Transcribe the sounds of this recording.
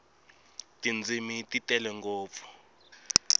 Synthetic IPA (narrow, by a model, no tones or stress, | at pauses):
tʼind͡zʱimitʼitʼɛlɛŋɡɔːp̪fɔ̥